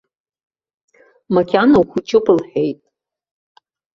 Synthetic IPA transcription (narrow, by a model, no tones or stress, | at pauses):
makʲʰanawχʷut͡ʃʼɪpʰʼɨlħᶣejtʼ